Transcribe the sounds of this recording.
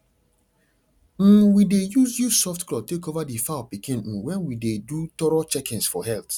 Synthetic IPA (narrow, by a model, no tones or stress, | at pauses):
m̩widejuzjusɔftklɔtekovadifapikĩn̩wɛ̃nwidedutɔɹɔt͡ʃɛkĩnsfɔ̰hɛlt